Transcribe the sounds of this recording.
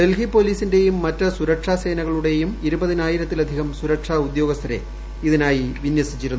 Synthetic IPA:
be̞lɦipːo̞ːliːsinde̞jumːɐtːɐsuɾɐkʂaːse̞ːnɐɣɐɭuɽe̞jumiɾubɐðinaːjiɾɐt̪ːilɐd̪ʱihɐmsuɾɐkʂaːud̪joːɡɐst̪ʰɐɾe̞̰ | iðinaːjiʋinjɐsit͡ɕːiɾunːu

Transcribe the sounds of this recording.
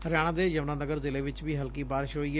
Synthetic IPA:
ɦɐɾjaːɽ̃ãd̪ejɐʋnãnɐɡəɾzɪleʋɪt͡ʃbʱiɦɐlkibaːɾɪʃɦoiɦ

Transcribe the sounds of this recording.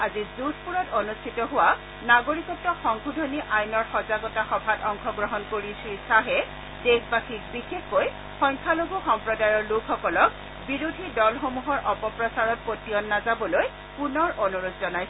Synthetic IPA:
azizud̚ʰʱpuɹɔtonustʰitɔɦʊwa | naɡoɹikɔk̚tɔxɔŋɡʰʱudʱoniʔajnɔɹxɔzaɡɔtaxɔbʱatɔŋkʰɔɡɹɔɦɔnkoɹisisaɦɛ | dexbaxik̚bixexːoj | xɔjŋkʰalobʱuxɔmpɹɔdajɔɹlukʰxɔkɔlɔk̚ | biɹodʱidɔlxomuɦɔɹʔɔpɔpɹɔsaɹɔt̚potijɔnːazabɔloj | punɔɹʔonuɹodzɔnajs

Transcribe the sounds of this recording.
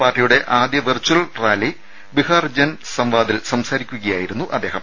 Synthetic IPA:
paːrʈːijuɽe̞ʔaːd̪jɐʋirt͡ɕːuɐlʈraːli | bihaːrd͡ʑɐnsɐmʋaːd̪ilsɐmsaːɾikʲːuɣɐjaːjiɾunːuʔɐ̰d̪ːeːɦɐm

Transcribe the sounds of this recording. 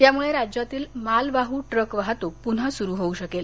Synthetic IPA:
t̪jamuɭeɾad͡ʑjat̪iːlmalʋaɦuːʈɾəkʋaɦat̪opun̤asuɾuɦouɕəkel

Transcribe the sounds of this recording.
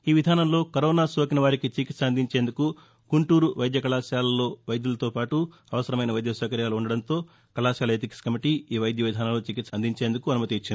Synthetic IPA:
iːʋid̪ʱaːnɐmlo̞ːkɐɾɔːnaːsoːkinɐʋaːɾikit͡ʃikit̪sɐnd̪ʱiɲt͡ʃe̞ːnd̪uku | kuɳʈuːɾuʋɐjd̪jɐkɐlaːsjaːlɐlo̞ːʋɐjd̪julɐt̪oːpaːʈu | ɐʋɐsɐɾɐmɐjnɐʋɐjd̪jɐsɛːkɐɾjaːluuɳɖɐɽɐnt̪o̞ː | kɐlaːsjaːlɐeːt̪̬ikskɐmiʈiiːʋɐjd̪jɐʋid̪ʱaːnɐmloːt͡ʃikit̪sɐnd̪iɲt͡ʃeːnd̪ukuɐnumɐt̪it͡ʃːini

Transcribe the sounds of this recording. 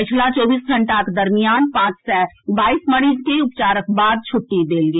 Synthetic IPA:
pɪt͡ʃʰlat͡ʃɔːbiːsɡʱɐ̃ɳʈaked̪ɐɾmijaːnpãːt͡ʃsɛbaːisməɽ̃id͡ʒkeʊp̚t͡ʃaːɾək̚baːd̪̚t͡ʃʰʊʈːid̪eːlɡeː

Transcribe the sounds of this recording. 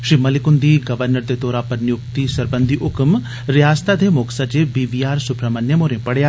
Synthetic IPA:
ʃiːmɐlɪkʊnd̪iɡɐʋəɾnəɾt̪et̪oːɾaːpɐɾnjʊk̚t̪isɐɾbənd̪ʱiʔʊkm | ɾjaːst̪ad̪emoːksad͡ʒebiʋiaːɾsʊpɾɐmənjəmoːɾẽpɐɽejaː

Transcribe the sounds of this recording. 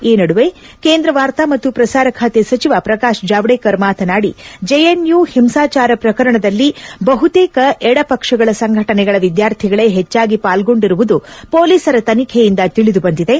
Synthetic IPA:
iːnɐɽuʋe̞keːnd̪ɾɐʋaːɾt̪amɐt̪ːupɾɐsaːɾɐkʰaːt̪esɐt͡ʃiʋapɾɐkaːʂd͡ʒaːʋɽeːkɐɾmaːt̪ʰɐnaːɽid͡ʒeenjuːhimsaːt͡ʃaːɾɐpɾɐkɐɾɐɳɐd̪ɐlːibɐɦut̪eːkɐʔɛɽɐpɐkʂɐɡɐɭɐsɐŋɡʱɐʈɐnɛɡɐɭɐʋid̪jaːɾt̪ʰiɡɐɭe̞ɦet͡ʃːaːɡipaːlɡo̞ɳɖiɾuʋud̪upo̞ːliːsɐɾɐt̪ɐnikʰɛjind̪ɐt̪iɭid̪ubɐnd̪id̪e̞

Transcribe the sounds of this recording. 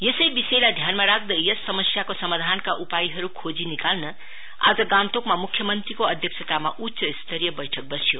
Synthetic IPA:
jesʌjbisejlad̪ʱjanmaɾak̚d̪ʌjesːʌmʌsjakosʌmad̪ʱankaʔupajiɦʌɾukʰod͡zinikalnʌ | a̰d͡zʌɡãnt̪okmamukʰjʌmʌnt̪ɾrikoʌd̪ʱjʌksʰʌt̪amaʔutːsʌist̪ʰʌɾijʌbʌjʈʰʌk̚bʌsjo

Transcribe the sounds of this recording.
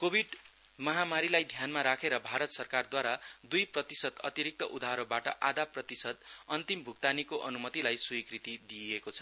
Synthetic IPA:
kobʱiɖ | mʌɦamaɾilajd̪ʱjanmaɾakʰeɾʌbʱaɾʌt̪sʌrkard̪waɾad̪ujprʌt̪isʌd̪ʌ̰t̪iɾik̚t̪ʌʔud̪aɦɾʌbaʈʌ̰ʔad̪aprʌt̪isʌd̪ʌnt̪imbʱuk̚t̪anikoʔʌnumʌt̪ilajsujkrit̪id̪iekot͡sʰʌ̥

